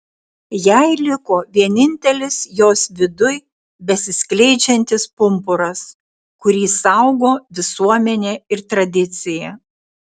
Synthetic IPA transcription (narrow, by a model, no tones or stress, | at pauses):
jɛɪlʲɪkoːʋʲiɛnʲɪnʲt̪ʲɛlʲɪsjoːsʋʲɪd̪ʊj | bʲɛsʲɪsʲklʲɛɪd͡ʒʲɛnʲt̪ʲɪspʊmpʊɾɐs | kʊɾʲiːsɐʊɡoːʋʲɪsuɔmʲɛnʲeːɪɾt̪ɾɐd̪ʲɪt̪sʲɪjɛː